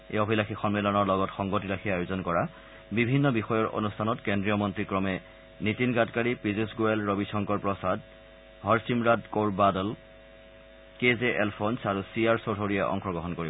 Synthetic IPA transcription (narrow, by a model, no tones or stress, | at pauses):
ḛobʱilaxʰixɔnmelɔnɔɹlɔɡɔtxɔŋɡotilaxʰiajozɔnkɔɹa | bibʱinːɔbixɔjɔɹo̰nustʰanɔtkendɹijɔmɔntɹikɹɔmɛ | nitinɡatkaɹipɹizusɡuɛlɹobisɔŋkɔɹpɹɔsad | ɦɔɹsimɹadkoɹbadɔl | kezeʔɛlpʰonsaɹusiaɹsotʰoɹijɛʔɔ̰ŋxɔɡɔɦɔnkoɹibɔ